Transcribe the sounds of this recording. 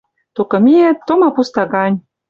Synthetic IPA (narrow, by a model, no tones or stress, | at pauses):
t̪okɤ̆miet̪ːomɑpust̪ɑɣɑnʲ